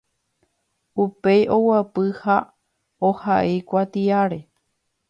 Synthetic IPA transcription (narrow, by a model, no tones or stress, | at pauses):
upejʔo̞wapɨha | ohaʔejkʷat̪iaɾe̞